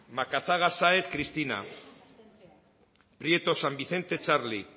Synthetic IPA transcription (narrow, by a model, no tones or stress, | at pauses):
makaθaɣ̞asaeθkɾist̪ina̰ | pɾje̞t̪o̞sambiθe̞nt̪e̞t͡ʃaɾli